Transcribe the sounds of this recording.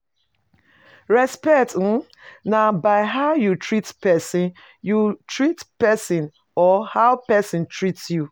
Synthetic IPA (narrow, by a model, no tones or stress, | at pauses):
ɹɛspɛkt̩nabaɪɦaʊjutɹitpɛsĩn | jutɹitpɛsĩn | ɔhaʊpɛsĩntɹitsju